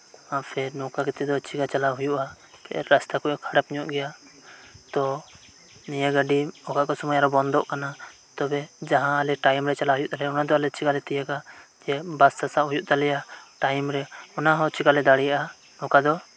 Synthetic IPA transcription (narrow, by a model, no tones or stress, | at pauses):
apʰɛɾnɔkakɛt̪ɛd̪ɔt͡ʃiɡat͡ʃalaɦujuʔa | kɛʔɛɾast̪akuʔakʰaɽap̚ɲɔʔɡɛja | t̪ɔ | nijaɡəɖiɔkaʔkɔsɔmɔjaɾɔbɔnd̪ɔʔkana | t̪ɔbɛd͡ʒaɦãːlɛʈajmɾɛt͡ʃalaɦujuʔt̪alɛjɔnad̪ɔalɛt͡ʃiɡalɛt̪ijaɡad͡ʒɛbast̪asaʔɦujuʔt̪alɛjaʈajmɾɛɔnaɦɔ̃t͡ʃiɡalɛd̪aɽɛjaʔa | nɔkad̪ɔ